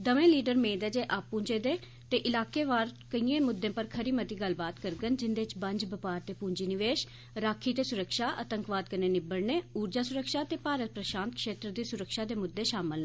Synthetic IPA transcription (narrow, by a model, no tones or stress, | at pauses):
d̪əʋẽːliːɖəɾmẽːd̪ɛːd͡ʒeːʔaːpːũːɲd͡ʒeːd̪eː | t̪eːʔɪlaːkeːʋaːɾkəiːẽːmʊd̪ːẽːpəɾkʰəɾiːmət̪iːɡəlbaːt̪kəɾɡənd͡ʒɪnd̪eːt͡ʃbəɲd͡ʒbəpaːɾt̪eːpũːɲd͡ʒiːnɪʋeːʃ | ɾaːkʰiːt̪eːsʊɾəkʃaːʔət̪əŋkʋaːd̪̚kəneːnɪbəɽneːuːɾd͡ʒaːsʊɾəkʃaːt̪eːpaːɾət̪̚pɾəʃaːnt̪̚kʃeːt̪ɾəd̪iːsʊɾəkʃaːd̪eːmʊd̪ːeːʃaːməl